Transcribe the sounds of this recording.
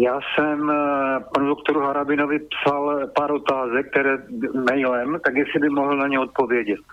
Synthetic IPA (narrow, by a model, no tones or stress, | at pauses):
jaːsɛmpanudokt̪oɾuɦaɾabɪnovɪpsalpaːɾot̪aːzɛk̚k̚ːt̪ɛɾɛːmɛjlɛmt̪aɡjɛsɪbɪmoɦl̩naɲɛot̪̚po̞vjɛɟɛt̪